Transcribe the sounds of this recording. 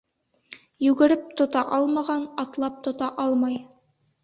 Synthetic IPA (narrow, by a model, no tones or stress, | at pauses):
jʉɡɘ̆ɾɘp̚t̪ŏt̪ɑʔɑlˠmɑʁɑnɑt̪lˠɑp̚t̪ŏt̪ɑʔɑlˠmɑj